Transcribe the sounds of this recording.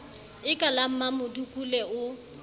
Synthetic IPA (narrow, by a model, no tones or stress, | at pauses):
ɪkʼalam̩mamʊdukʼulɛʊ